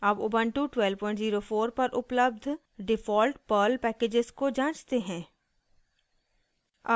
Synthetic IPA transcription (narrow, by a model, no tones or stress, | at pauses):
ɐbʊbə̃ɳʈuʈwɛlpɔ̃ːɪ̃ɳʈziːɾofoːɾpɐɾʔʊpləb̚d̪ʱ | ɖɪfɔːlʈpəːlpɛːkeːd͡ʒɪzkod͡ʒãːt͡ʃt̪eɦɛ̃ː | a